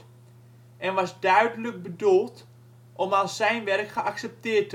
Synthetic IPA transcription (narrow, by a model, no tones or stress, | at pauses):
ɛnʋɑzdœɥdələk̚bədulˠt | ʔɔmalˠsɛjnʋɛrkχəaksɛp̚tɪːɹtə